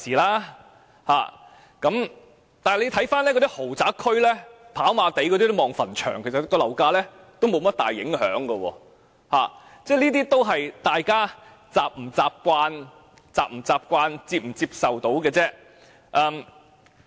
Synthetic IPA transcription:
siː˨˩laː˥ | ha̰ː˨˩ | kɐ˨˥m | t̪aː˨hɐ˨˩le˨˧t̪ʰjfaː˥nlɛː˥kɔ˧t̪i˥ho˨˩wt͡saː˨˥kʰɵ˥ɥlɛː˥pʰaː˨˥wmaː˧t̪e˨˥jkɔː˧t̪iː˥t̪o˥mɔː˨ŋfɐ˨˩nt͡ʃʰœ̰ː˨˩ŋkʰe˨˩sɐ˨˩t̚kɔː˧lɐ˨˩wkaː˧lɛː˥ | t̪o˥wmo˨˧wmɐ˥t̚t̪aː˨˩jːɪ̰˨˥ŋɦœ̰ː˨˥ŋɡə˧wɔ̰ː˧ | ha̰ː˨˩ | t͡sɛː˥˩lniː˥t̪iː˥t̪o˥wɦɐ˨jt̪aː˨jkaː˥ | t͡saː˨p̚m̩˨˩t͡saː˧p̚kʷaː˧n | t͡saː˧p̚m̩˨˩t͡saː˧p̚kʷaː˧nt͡siː˧p̚m̩˨˩t͡siː˧p̚sɐ˨wt̪o˨˥wkɛː˧t͡sɛː˥ | ʔɐː˨˧m

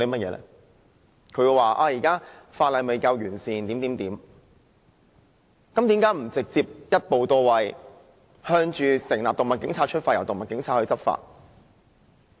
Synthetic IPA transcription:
le˨˥˦mɐ˥t̚jɛ̰ː˧lɛ̰˥ | kʰɵ˨˧jwaː˨˩ʔa̰ː˧jiː˨˩kaː˥faː˧t̚lɐ˨˧jme˨˧jkaː˧wjyː˨˩nsiː˨˩nt̪iː˨˥nt̪iː˨˥mt̪iː˨˥m | kɐ˨˦mt̪iː˨˥mkaː˨˥m̩˨˩t͡sɪ˨k̚t͡siː˧p̚jɐ˥t̚po˨wt̪ɔː˧wɐ˨˧j | hœː˧˥ŋt͡ʃyː˧sɪ˨˩ŋlaː˨p̚t̪ʊ˨˩ŋmɐ˨˩t̚kɪ˨˥ŋt͡sʰaː˧t͡ʃʰɵ˥t̚faː˧jɐ˨˩wt̪ʊ˨˩mɐ˨˩tkɪ˨˥ŋt͡sʰaː˧t̚hɵ˧t͡sɐ˥p̚fa̰ː˧t̚

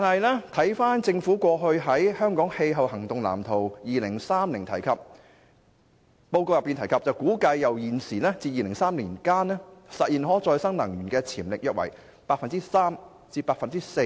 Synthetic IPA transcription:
t̪aː˨nhɐ˨jlɛː˥t̪ʰɐ˨˥jfaː˥nt͡sɪ˧ŋfuː˨˥kʷɔː˧ɦɵ˧ɥɦɐ˨˥jhœː˥ŋkɔː˨˥ŋhe˧jɦɐ˨whɐ˨˩ŋt̪ʊ˨ŋla̰ː˨˩mt̪ʰo˨˩wjiː˨lɪ˨˩ŋsaː˥mli˨˩ŋt̪ʰɐ˨˩jkʰɐ˨p̚ | o˧wko˧wjɐ˨pːi˨nt̪ʰjkʰɐ˨p̚t͡sɐ˨wkuː˨˥kɐ˧jːɐ˨˩wjiː˨˩nsiː˨˩lɛː˥t͡siː˧jiː˨lɪ˨˩ŋsaː˥mliː˨˩nkaː˥nɛː˥sɐ˨t̚jiː˨˩nɦɔː˨˥t͡sɔː˧jsɐ˥ŋnɐ˨˩ŋjyː˨˩nkɛː˧t͡sʰiː˨˩mlɪ˨k̚jɐ˥t̚wɐ̰˨˩j | paː˧k̚fɐ˨nt͡siː˥saː˥m | t͡siː˧paː˧k̚fɐ˨nt͡siː˥se˧

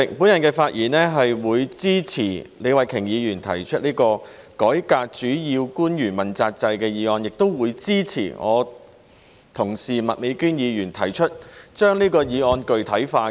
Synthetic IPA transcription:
ɪ˨˩k̚pu˨˥njɐ˨˩nkɛː˧faː˧t̚jiː˨˩nɛː˥ɦɐ˨jwuː˨˧jt͡siː˥t͡sʰiː˨˩le˨˧jwɐ˨jkʰɪ˨˩ŋjiː˨˧jyː˨˩nt̪ʰɐ̰˨˩jt͡ʃʰɵ˥t̚niː˥kɔː˧ | kɔː˨˥jkaː˧k̚t͡ʃyː˨˥jiː˧wkuː˥njyː˨˩nmɐ˨˩nt͡saː˧k̚t͡sɐ˧jkɛː˧jiː˨˧ɔː˧njɪ˨k̚t̪o˥wwuː˨˧jt͡siː˥t͡sʰḭː˨˩ŋɔ̰ː˨˧ | t̪ʰʊ˨˩ŋsiː˨˩mɐ˨t̚me˨˧jkyː˥njiː˨˧jyː˨˩nt̪ʰɐ˨˩jt͡ʃʰɵ˥t̚t͡ʃœː˥ŋliː˥kɔː˧jiː˨˧ŋɔː˧nkɵ˨ɥt̪ʰɐ˨˥jfaː˧

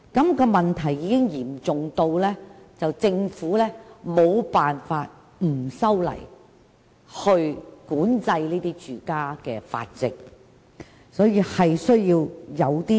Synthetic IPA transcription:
kɐ˨˥mkɔː˧mɐ˨nt̪ʰɐ˨˩jːiː˨˧kɪ˥ŋjiː˨˩mt͡sʊ˨ŋt̪o˧wlɛː˥t͡sɐ˨wt͡sɪ˧ŋfuː˨˥lɛː˥mo˨˧wpaː˨nfaː˧t̚ | m̩˨˩sɐ˥wlɐ̰˨˩j | hɵ˧ɥkuː˨˥nt͡sɐ˧jliː˥t̪iː˥t͡ʃyː˨kaː˥kɛː˧fa̰ː˧t̚t͡sɪ˨k̚ | sɔː˨˥jiː˨˧hɐ˨jsɵ˥ɥjiː˧wjɐ˨˧wt̪iː˥

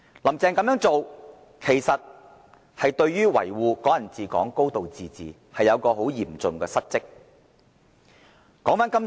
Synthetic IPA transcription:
lɐ˨˩mt͡sɛː˨ŋkɐ˨˥mjœː˨˥ŋt͡so˨w | kʰe˨˩jsɐ˨t̚ | hɐ˨jt̪ɵ˧ɥɥyː˥wɐ̰˨˩jwuː˨kɔː˨˥jɐ˨˩nt͡siː˨kɔ̰ː˨˥ŋko˥wt̪o˨wt͡siː˨t͡siː˨ | hɐ˨jɐ˨˧wkɔː˧ɦo˨˥wjiː˨˩mt͡sʊ˨ŋkɛː˧sɐ˥t̚t͡sɪ˥k̚ | kɔː˨˥ŋfaː˨˥nkɐ˥m

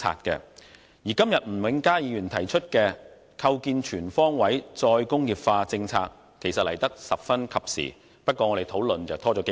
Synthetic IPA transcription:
a̰ː˧t̚kɛ̰ː˧ | jiː˨˩kɐ˥mjɐ˨t̚m̩˨˩wɪ˨˥ŋkaː˥jiː˨˧jyː˨˩nt̪ʰɐ˨˩jt͡ʃʰɵ˥t̚kɛː˧ | kʰɐ˧wkiː˧nt͡ʃʰyː˨˩nfɔː˥ŋwɐ˨˥jt͡sɔː˧jkʊ˥ŋjiː˨˩p̚faː˧t͡sɪ˧ŋt͡sʰa̰ː˧k̚ | kʰe˨˩jsɐ˨t̚lɐ̰˨˩jt̪ɐ˥k̚sɐ˨p̚fɐ˥nkʰɐ˨p̚sḭ˨˩ | pɐ˥t̚kːɔː˧ɔ˨˧ɾe˨˩jt̪ʰo˨˥wlɵ˨nt͡sɐ˨wt̪ʰɔː˥t͡ʃɔ˨˥e˨˧

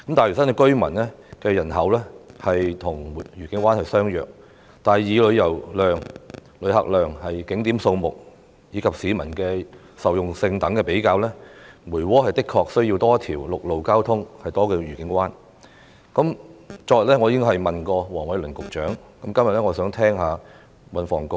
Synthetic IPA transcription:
kɐ˨˥mt̪aː˨jyː˨˩sɐ˥nkɛ˧kɵ˥ɥmɐ̰˨˩nlɛː˥ | kɛː˧jɐ˨˩nɦɐ˨˥wlɛː˥hɐ˨jt̪ʰʊ˨˩ŋ˨jyː˨˩kɪ˨˥ŋkʷwaː˥nhɐ˨jsœː˥ŋjœ̰ː˨k̚ | t̪aː˨jiː˨˧lɵ˨˧ɥjɐ˨˩wlœː˨˩ŋlɵ˨˧ɥɦɐ̰˨k̚lœː˨ŋhɐ˨jkɪ˨˥ŋt̪iː˨˥mso˧wmʊ˨k̚ | jiː˨˧kʰɐ˨p̚siː˨˧mɐ˨˩nkɛː˧ | sɐ˨wjʊ˨ŋsɪ˧ŋt̪ɐ˨˥ŋkɛː˧pe˨˥jkaː˧wlɛː˥muː˨˩jwɔː˥hɐ˨jt̪ɪ˥kʰːɔː˧k̚sɵ˥ɥji˧wt̪ɔː˥t̪ʰiː˨˩wlʊ˨k̚lo˨wkaː˥wt̪ʰʊ˥ŋhɐ˨jt̪ɔː˥kɛː˧ɥyː˨˩kɪ˨˥ŋkwaː˥n | kɐ˨˥mt͡ʃɔː˧jt̚lɛː˥ŋɔː˨˧jiː˧kɪ˥ŋɦɐ˨jmɐ˨˩nkɔː˧wɔː˨˩ŋwɐ˨˥jlɵ˨˩nkʊ˨k̚t͡ʃœː˨˥ŋkɐ˨˧˥mkɐ˥mjɐ˨t̚lɛː˥ŋɔː˨˧sœː˨˥ŋt̪ʰɛː˥ŋɦaː˨˧ | wɐ˨nfɔ̰ː˨˩ŋkʊ˧

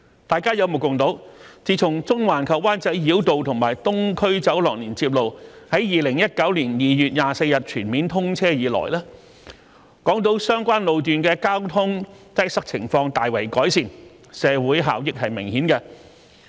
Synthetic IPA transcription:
t̪aː˨˩jkaː˥jɐ˨˧wmo˨˩kʊ˨˩ŋt̪o˨˥wt͡siː˨˧t͡sʰʊ˨˩ŋt͡sʊ˥ŋwaː˨˩nkʰɐ˨p̚waː˥nt͡sɐ˨˥jːiː˨˥wt̪o˨wt̪ʰʊ˨˩ŋmaː˨˩jt̪ʊ˥ŋkʰɵ˥ɥt͡sɐ˨˥wlɔː˨k̚liː˨˩nt͡siː˧p̚lo˨˧whɐ˨˥jjiː˨lɪ˨˩ŋjɐ˥t̚kɐ˨˥wliː˨˩njiː˨jyː˨˩t̚jaː˨˧se˧jɐ˨t̚t͡ʃʰyː˨˩nmiː˨˥nt̪ʰʊ˥ŋt͡sʰɛː˥jiː˨˧˥lɔ̰ː˨˩jlaː˥ | kɔː˨˥ŋt̪o˨˥wsœː˥ŋkʷaː˥nlo˨wt̪̬yː˨nkɛː˧kaː˥wt̪ʰʊ˥ŋt̪ɐ˥j̚sɐ˥k̚t͡sʰɪ̰˨˩ŋfɔː˧ŋt̪aː˨jwɐ˨˩jkɔː˨˥jsiː˨˧n | sɛː˨˧wuː˨˥jɦa̰ː˨˥wjɪ˨˥k̚hɐ˨jmɪ˨˩ŋhiː˨˥nkɛ˧

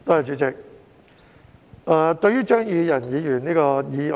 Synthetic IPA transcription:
t̪o˥ɐ˨˩t͡ʃy˨˧˥t͡sɪ˨k̚ | ʔaː˨˩t̪ɵ˧ɥyː˥t͡ʃœː˥ŋjyː˨˧jɐ˨˩njiː˨˧jyː˨˩niː˥kɔː˧jiː˨˧

